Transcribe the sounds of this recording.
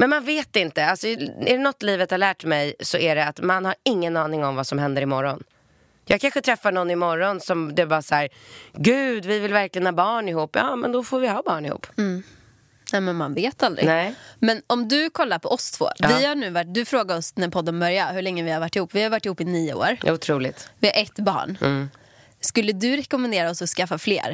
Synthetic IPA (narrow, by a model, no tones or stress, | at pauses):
mɛnmanveːt̪ɪnt̪əalsɔɛɖnɔt̪ːliːvət̪haɾɭæːʈmɛjsɔʔæɖɛat̪manhaɾɪŋːənɑːnɪŋɔmvasɔmɦɛnd̪əɾɪmɔɾɔn | jɑːɡ̚kʰanɧət̪ʰɾɛfːaɳɔnːɪmɔɾːɔnsɔmd̪ɛːbɑːɾasæːɾɡʉ̟ːd̪vɪvɪlvæɾklɪɡənhɑːbɑːɳɪhuːpːjɑ̰ːmɛ̰nd̪ɔfoːɾvɪhɑːbɑːɳɪhṵːp̩ː | nɛmɛnmanveːt̪ald̪ɾɪ̰ɛmɛnɔmd̪ɵkʰɔlːaɾpʰɔʔɔst̪ʰvo̰ːvɪhaɳʉ̟ːvaʈ̚d̪ɵfɾoːɡad̪ɔsɛd̪ɛnpʰɔd̪ːənbœɾjahɵɭɛŋːəvɪhaɾvaʈːɪhuːpːvɪhaɾvaʈːɪhuːpːɪniːə̰o̰ːɾʊt̪ʰɾuːlɪt̪vɪhaɾʔɛt̪ːbɑ̰ːɳː | skɵlːəd̪ɵɾɛkɔmɛnd̪eːɾaɔsɔskafːaflḛːɾ